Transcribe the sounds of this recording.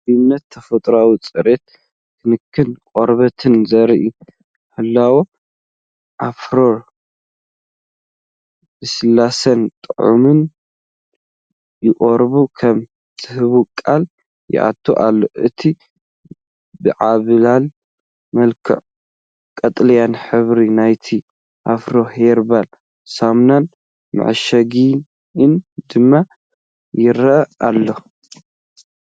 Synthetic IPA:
mnːɐt̪ʰːɐfɐt̪ʼɾawit͡sʼɨɾet̪̚ | kʰɨnɨkʰːɨnkʼoɾβɐt̪ʰɨnzɐɾʔi | ħɨlːawo | ʔafɾo̞ɾ | bɨsɨlːasɐnt̪ʼɨʕṵmɨn | jɪχʼoɾbukʰɐm | t͡sʼɨhɨβukʼal | jɪ̰ʔa̰t̪ʰːo̰ʔa̰lːo̞̰ʔɨt̪ʰi | bɨʕaβɨlal | mɐlkʰɨ̰ʕ | kʼɐt̪ʼljanħɨβɾinajt̪ʰi | ʔafɾoheɾbal | samnan | mɨ̰ʕɨʃɐɡi | nd̪ɨmːa | jɪɾɐʔɐʔalːo

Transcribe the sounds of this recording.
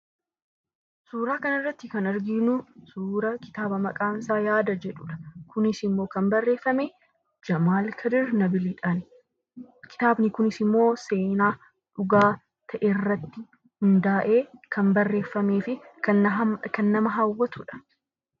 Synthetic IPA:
suːɾaːkɐnɐrːɐt̪ːɪkɐnɐɾɡɪnʊsuːɾɐkɪ̥t̪aːbɐmɐkʼaːnsaːjaːd̪ɐd͡ʒɛᶑʊᶑɐ̥kʊnɪsɪmːo̞ːkɐmbɐrːe̞ːfːɐmeː | d͡ʒɐmaːlkʰɐd̪ɪɾnɐbɪlɪᶑɐnɪ | kɪ̥t̪aːbnɪkʊnɪsɪmːo̞ːse̞ːnaː | ᶑʊɡaː | t̪ʰɐʔerːɐt̪ːɪ | hʊnd̪aːʔe̞ːkɐnbɐrːe̞ːfːɐme̞ːfɪ | kɐnːɐmɐɦawːɐt̪ʊᶑɐ̥

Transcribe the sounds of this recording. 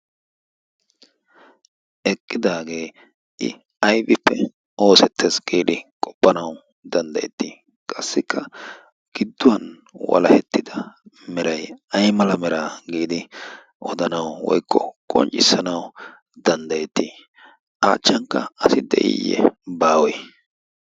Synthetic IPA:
ʔɛkʼːɪd̪aːɡe̞ː | ʔɪ̰ | ɐjbɪpːɛ | ʔo̞ːsɛt̪ʰːesɡ̥iːd̪ɪkʼɔ̥pʼːɐnɐw | d̪ɐnd̪ɐjɛ̰t̪ːiː | kʼɐsːɪkʰːɐ | ɡ̥ɪd̪ːʊwɐn | wɐ̰lɐhɛt̪ːɪd̪ɐ | mɛɾɐjɐjmɐlɐmɛɾaːɡiːd̪ɪ | ʔɔd̪ɐnɐwwɔ̰jkʰːɔ̰kʼɔ̰nt͡ʃʼɪsːɐnɐw | d̪ɐnd̪ɐjɛt̪ːiː | ʔa̰ːt͡ʃːɐŋkːɐɐsɪd̪ɛ̰ʔɪ̰jːɛ̰baːwɛj

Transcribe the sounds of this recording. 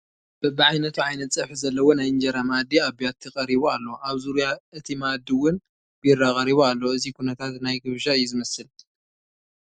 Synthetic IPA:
b̥ɨbɨʕajnɐt̪ʰuʕajnɐt̪t͡sʼːɐħɨzɐlːɐwo̞najɨnd͡ʒɐɾamad̪ːiaβijat̪ʰːɨkʼɐɾiβoalːo̞ʔaβzuɾjaɨt̪ʰimad̪ːiwʊn | bɨjɪrːakʼɐɾiβoalːoɨzikunɐt̪ʰat̪najɡɨβʒaɨjɛzɨmɐsɨl

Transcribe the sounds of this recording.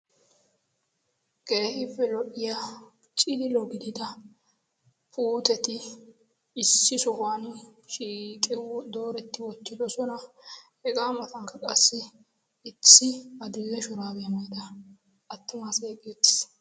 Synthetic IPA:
ɡ̥e̞ːhɪfːɛlɔʔɪja | t͡ʃʼɪd̪ɪlɔɡɪd̪ɪd̪ɐ | pʰuːt̪ɛt̪ɪː | sːɪsɔhʊanʃiːkʼɪd̪o̞ːɾɛt̪ːɪwɔt̪ːɪd̪ɔsɔnɐ | hɛɡʼaːmɐt̪ɐŋkːɐkʼɐsːɪː | t͡sːɪɐd̪ʊlːɛʃʊɾaːbɛjɐmɐjd̪ɐ | ɐt̪ːʊmaseːkʼɪjɔt̪ːɪ̥s

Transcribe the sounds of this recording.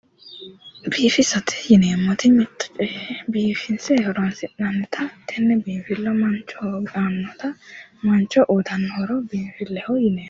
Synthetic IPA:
biːfɪsɔt̪ʰɛ̥jɪneːmːɔt̪ɪmɪt̪ʰːɔ̥t͡ʃʼɛbiːfɪnsɛhɔɾɔnsɪʔnɐnːɛt̪ʰɐt̪ʰɛnːɛbiːfɪlːɔmɐnt͡ʃːɔɡaːnːɔt̪ɐmɐnt͡ʃːɔʔɔd̪ɐnːɔɾɔbiːnfɪlːɛhɔjɪneː

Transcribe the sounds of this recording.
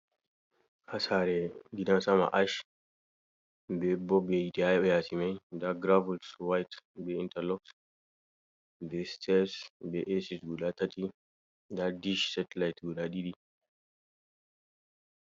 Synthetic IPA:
ʔasaɾɛɡidansama̰ʔaʃ | bɛbɔbɛitiajɔjasimɛjdaɡɾavulswajtbɛintɛlɔk̚t | bɛstʰɛsbɛʔɛsisɡulatatʼi | dadiʃsatɛlajtɡulaɗiɗi

